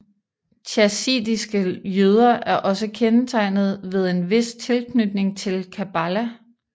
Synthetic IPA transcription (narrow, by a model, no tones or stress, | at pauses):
t͡ɕʰæsḭːdisɡ̥əjøð̞ˠɐʔæɐʔɒ̽səkʰenət͡sʰɑ̈ɪnð̞̩ˠʋe̝ð̞ˠe̝nʋe̝st͡sʰe̝lkʰnyd̥ne̝ŋt͡sʰe̝lkʰæb̥ælæ